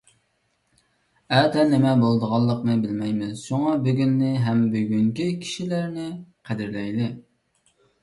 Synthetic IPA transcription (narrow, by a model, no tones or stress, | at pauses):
ɛt̪ɛnɪmɛbolˠd̪əʁɑlˠːəqnɨbɪlmɛjmɪʃoŋɑbyɡʲynːɪɦɛmbyɡʲyŋkʲikʲʰi̥ʃilæɾnɪqʰæd̪ɪɾlɛjlɪ